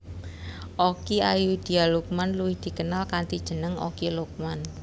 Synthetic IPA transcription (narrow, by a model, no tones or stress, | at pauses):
ʔokiajud̪̥i̤aluk̚manluwɪhd̪̥i̤kənalkant̪id̥ʒ̥ə̤nəŋo̰kiluk̚man